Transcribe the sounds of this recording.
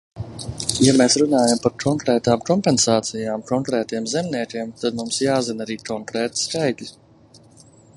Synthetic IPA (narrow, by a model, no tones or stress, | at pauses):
jameːsɾunaːjampaɾkʰɔŋkɾɛːt̪aːmkɔmpɛnsaːt̪sijaːmkɔŋkɾɛːt̪iɛmzɛmniɛkʲiɛmt̪ad̪mumsjaːzinaɾiːkɔŋkɾɛːt̪skajklʲi